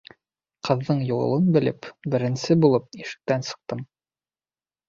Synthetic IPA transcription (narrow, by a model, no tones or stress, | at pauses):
qɤ̆ðːɤɴjuɤ̰̆lˠɤnbɘ̆lɘpbɘ̆ɾɘ̆nsɘbulˠɤp̚iʃɘ̥̆k̚t̪ænsɤ̥̆q̚t̪ɤm